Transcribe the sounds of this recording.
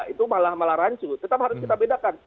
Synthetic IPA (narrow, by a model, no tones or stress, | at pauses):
it̪umalahmalahɾaɲt͡ʃut̪ət̪ap̚haɾʊskit̪abedakan